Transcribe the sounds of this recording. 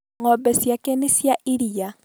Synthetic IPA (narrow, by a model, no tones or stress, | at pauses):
ŋɔbɛsjakenisjaʔiɾija